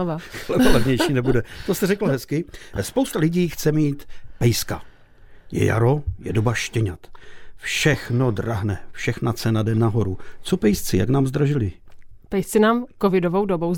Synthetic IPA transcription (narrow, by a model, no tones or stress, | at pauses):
ovalɛbolɛvɲɛjʃiːnɛbudɛt̪o̞st̪ɛrɛkl̩ɦɛskɪspowst̪alɪɟiːxt͡sɛmiːt̪pɛjska | jɛ̰ja̰ɾo̞jɛ̰dobaʃcɛɲat̪fʃɛxno̞draɦnɛfʃɛxnat͡sɛnadɛnaɦo̞ɾut͡sopɛjst͡sɪja̰knaːmzd̪ɾaʒɪlɪpɛjst͡sɪnaːmkovɪdovowdobow